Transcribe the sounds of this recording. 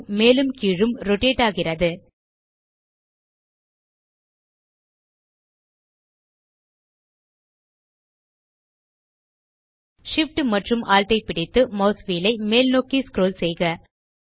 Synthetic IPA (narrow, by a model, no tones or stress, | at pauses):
meːlɯmkiːɻɯmɾɔʈeːʈaːɣɪrɐðɯ | ʂɪfʈmɐʈrɯmʔaːlʈɐɪpɪɽɪt̪ːɯmɐːsʋiːlɐɪmeːlnoːkːiskɾoːlsɛjɣɐ